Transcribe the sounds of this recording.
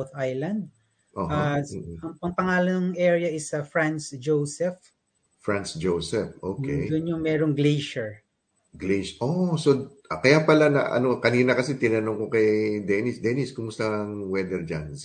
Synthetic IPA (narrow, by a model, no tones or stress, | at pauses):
wθajlɐ̃nd̪̚ | ʔoːɦaʔɐŋpɐŋpɐŋaːloŋʔɛɹɪjɐɪsɐfɹansd͡ʒowsɛf | fɹansd͡ʒowsɛfʔoːkdɛdʊnoŋmɛːɾoŋɡlejʃɛɹ | ɡlejʃʔosoʔɐkɐjapɐlanɐ̰ʔɐ̰nokɐniːnɐkɐsɛt̪ɪnɐnoŋkokɐjd̪ɛnɪsd̪ɛnɪskʊmʊst̪ɐɐŋwɛd̪ɛɹd͡ʒa̰n